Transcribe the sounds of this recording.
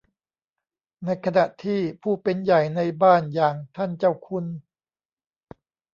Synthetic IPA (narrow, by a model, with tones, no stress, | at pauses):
na˧˥jkʰa˧na˨˩ʔt̪ʰiː˥˩pʰuː˥˩pe˧nja˨˩jna˧jbaː˥˩njaː˨˩ŋt̪ʰa˥˩nt͡ɕa˥˩wkʰu˧˥n